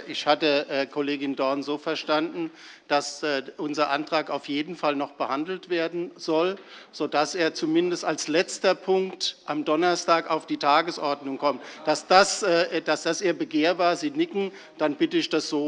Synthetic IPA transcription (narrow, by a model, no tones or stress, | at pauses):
ʔɪçhatəːkʰoleːɡɪndɔɐnzoːfɛɐʃtandn̩ | d̥asːʔʊnzɐʔa̰ntʁ̥aːkaʊfjeːdn̩falnɔχb̥əhandl̩tv̥eːɐdn̩z̥ɔlz̥odaseːɐt͡sumɪndəstalslɛt͡stɐpʰʊŋktʔamdɔnɐstaːkaʊfd̥iːtʰaːɡəsʔɔɐdnʊŋkʰɔmtd̥asd̥asːd̥asd̥asʔeːɐbəɡeːɐvaːɐziːnɪkŋ̩ | d̥anbɪtəɪçd̥asz̥oː